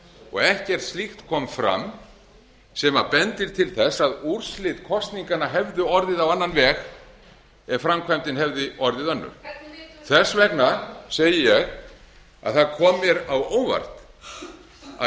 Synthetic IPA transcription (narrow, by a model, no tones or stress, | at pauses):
ɔ̰ɣɛhcɛr̥t̪st̪lixt̪kʰɔːmfɾa̰m | sɛmapɛnt̪ɪɾ̥t̪ʰɪlθɛsːaðuɾ̥slɪːt̪kʰɔst̪niŋkanaɦɛvðʏɔɾðɪðawanːanvɛːɣ | ɛɾfɾamkʰvajmt̪ɪnɦɛvðɪʔɔɾðɪðœnːʏ̰ɾ̥θɛsvɛknaseːjɪjɛɣ | a̰ðθaðkʰɔːmːɪɾawoːwva̰ɾ̥t̪ | a̰